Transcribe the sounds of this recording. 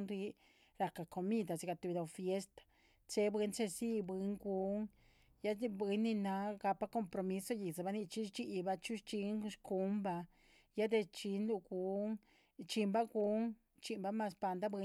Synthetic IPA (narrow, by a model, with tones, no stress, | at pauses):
nɾi˧˦ | ɾa˧ka˧ko˧mĩ˦d̪a˧si˧ka˧t̪u˧βi˧d̪a˧fje˦st̪ḁ˧ | t͡se˧˦bɨ˧˦nt͡ʃe˦˧si˦˧bi˧˦ŋɡu˧˦ŋ | ja˦˧bi˧˦nĩ˧nã˧˦ka˧pa˦ko˧mpɾo˧mĩ˧˦so˧ji˨za˧βa˧nĩ˧t͡ʃi˦t͡ʃi˦˧ʔi˧βa˧t͡ʃu˦t͡ʃi˧˦ŋʃku˧˦mba˧ | ja˦d̪e˧t͡ʃi˧˦nlu˧ku˨˧˦ŋ | t͡ʃi˧mba˦ɡu˨˦ŋ | t͡ʃi˧mba˧˦mã˧spa˧nd̪a˦bi˧